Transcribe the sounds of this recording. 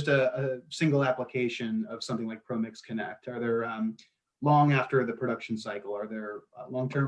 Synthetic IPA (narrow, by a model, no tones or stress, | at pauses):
stɨːsɪ̃ŋɡl̩ˠæpləkʰeɪʃɨ̃nʌv̥sʌ̃mθɪ̃ŋlaɪk̚pʰɹ̥oʊmɪkskʰɨnɛk̚tʰə˞ðə̃˞m | lɔ̃ŋæftə˞ðɨpʰɹ̥ɨɾʌkʃn̩saɪkl̩ˠə˞ðə˞lɔ̃ŋtʰɜ̃˞